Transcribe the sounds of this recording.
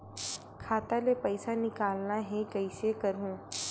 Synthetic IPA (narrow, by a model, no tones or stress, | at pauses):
kʰat̪alepəjsanikalnaɦekəjsekəɾũː